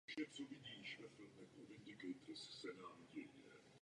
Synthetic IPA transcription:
oʃɛmt͡sovɪɟiːʃvɛfɪlmɛxovɪnd̪ɪɡɛjt̪ɾssɛnaːlɟɛjɲɛ

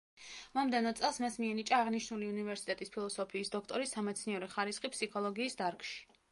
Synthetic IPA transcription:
mɔmd̪ɛnɔt̪sʼɛlˠsmasmiɛnit͡ʃʼaːʁniʃnuliunivɛɾsit̪ʼɛt̪ʼispʰilˠɔsɔpʰiːsd̪ɔkʰt̪ʼɔɾisːamɛt̪sʰniɛɾɛχaɾisχipʰsikʰɔlˠɔɡiːsd̪aɾkʼʃi̥

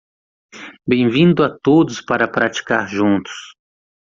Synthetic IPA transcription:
bẽj̃vĩnd̪ʊat̪od̪ʊspaɾɐpɾat͡ʃi̥kaɾʒũnt̪ʊ̥s

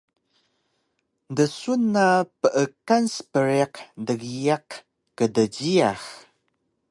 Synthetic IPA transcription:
dəsunapəʔəkanspəɾiqdəɣijaq | kədəɟiax

